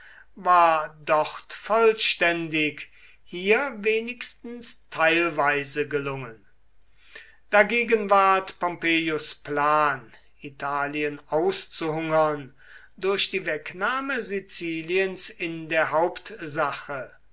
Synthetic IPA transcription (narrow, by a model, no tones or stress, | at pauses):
vaːɐdɔχtfɔlʃtɛndɪk | hiːɐveːnɪkstn̩stʰaɪlvaɪzəɡəlʊŋən | d̥aɡeːɡənvaɐtpɔmpeːjʊsplaːn | itʰaːliənaʊst͡suɦʊŋɐn | dʊɐʃd̥iːvɛknaːməzit͡siːliənsɪndeːɐɦaʊptzaχə